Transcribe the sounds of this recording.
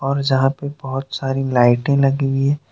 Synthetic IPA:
ɔːɾd͡ʒɐɦãpebɐɦʊt̪saːɾilaːɪʈẽlɐɡiwiɦɛ̃ː

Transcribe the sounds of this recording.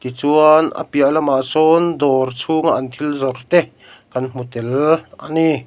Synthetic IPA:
t̪it͡suanʔə̰piaʔlɐmaʔsɔnd̪ɔrt͡sʰuŋaʔant̪ʰilzɔrt̪ɛ | kɐnm̥ut̪ɛlʔani

